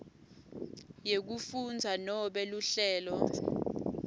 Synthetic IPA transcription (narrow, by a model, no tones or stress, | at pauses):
jek̬ufund͡zʱanɔɓɛluɬɛːlɔ